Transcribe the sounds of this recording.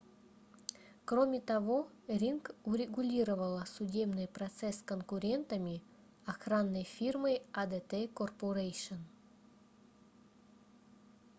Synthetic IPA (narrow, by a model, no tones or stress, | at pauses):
kromʲɪt̪ɐvo | rʲinkuɾʲeɡulʲiɾəvəlˠəsʊdʲe̞bnɨjprɐt̪sɛskonkuɾʲe̞nt̪əmʲi | ɐxranːəjfʲirmɨjad̪et̪ekorpoɾejʂən